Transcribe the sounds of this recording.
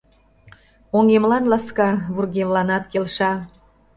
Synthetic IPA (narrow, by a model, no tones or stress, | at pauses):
oŋemlɑnlɑskɑβurɣemlɑnɑt̪kelʃɑ